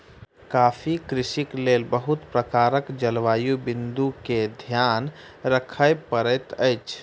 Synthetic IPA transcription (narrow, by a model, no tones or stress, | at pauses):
kaːfʰikɾɪʃikleːlbəɦʊt̪pɾəkaːɾəkd͡ʒəlʋaːjubɪ̃nd̪uked̪ʱjaːn | ɾəkʰəjpəɾət̪əɪt͡ʃʰ